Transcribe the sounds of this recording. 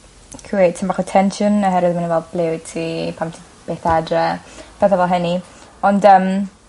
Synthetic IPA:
kʰwed̚tʰɪmbaχɔtʰɛnʃɔnəɦɛɾɨðmanivɛlˠblˠɪwd̚tʰipʰamtʰi̥ | b̥eːθadrɛpʰɛθəvɛlˠɦɛni | ɔndəm

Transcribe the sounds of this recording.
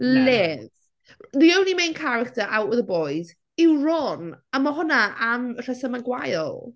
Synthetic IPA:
lɪð | ðiownlimejnkʰaɾɪk̚tʰəɾʔawʔwɪðəbɔɨd | ɪwrɔnamɔɦʊnaamr̥ɛsəmaɡwajlˠ

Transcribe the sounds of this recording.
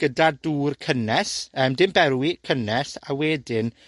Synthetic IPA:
ɡ̥ədaduːrkʰənɛsəːmdɪmbɛrwikʰənɛsa̰wɛːdɪn

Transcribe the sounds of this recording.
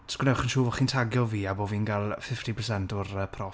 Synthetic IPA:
skwnɛwχənʃuːvɔχiːntʰaɡjɔviːabɔviːnɡalˠfɪftipʰərsɛntʊrəpʰrɔ

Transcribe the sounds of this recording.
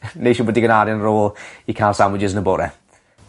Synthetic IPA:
nejʃubɔdiɡənaɾɪnroːlˠikʰalˠsamwɪd͡ʒɪznəboːɾɛ̰

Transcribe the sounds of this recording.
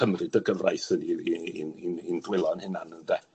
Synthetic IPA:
əmrɨdəɡəvra̰jθəniininindwɪlˠɔnhɪnanənðɛ

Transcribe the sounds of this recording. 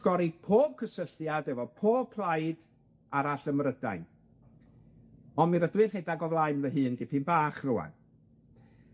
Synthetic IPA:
ɡ̥ɔɾipʰoːb̥̚kʰəsəɬjadɛvɔpʰoːb̥̚pʰlˠajd | aɾaɬəmrəda̰jn | ɔnmiɾəθwɪrhedaɡɔvlˠajnvəɦɨːnɡɪpʰɨnbaːχrʊwa̰n

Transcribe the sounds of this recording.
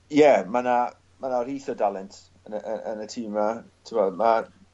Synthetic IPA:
jɛmana | manariːθɔdalˠɪntʰ | ənəʔəʔənətʰiːmatʰɪmɔma

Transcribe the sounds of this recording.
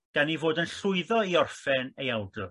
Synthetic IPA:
ɡ̥anivoːdənɬʊɨðɔiɔrfɛnejɛlˠdʊr

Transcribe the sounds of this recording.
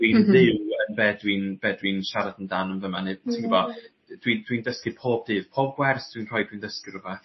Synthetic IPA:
d̥winðɪwənbɛdwinb̥ɛdwinʃaɾadəndanənvəmanɨtʰɪŋkivɔ | d̥windwindəskɨpʰoːbdɨːv̥pʰoːb̚ɡwɛrsd̥winr̥ɔːjdwindəskɨrʊbɛθ

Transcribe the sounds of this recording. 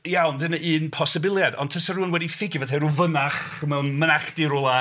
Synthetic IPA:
jawnðənəʔɨːnpʰɔsɪbɪlˠjadɔ̰ntʰəsɔruːənwɛdifɪɡjvatʰɛɾuvənaχ | mɛwnmənaχd̥iɾʊlˠa

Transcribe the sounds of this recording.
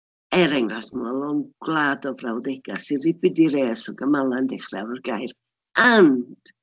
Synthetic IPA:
ɛɾɛŋrasmalˠɔnɡ̥lˠaːdɔbrawðɛɡ̥asɪnrɪbɪdiɾeːsɔɡəmalˠandɛχravərɡajr | and̥

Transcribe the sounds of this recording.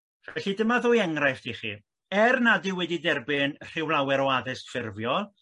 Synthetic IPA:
vɛɬidəmaðʊːjɛŋrajftʰiχḭ | ɛrnadɪwɛdidɛrbɪnr̥ɪwlˠawɛɾɔaðɪstfɪrvjɔlˠ

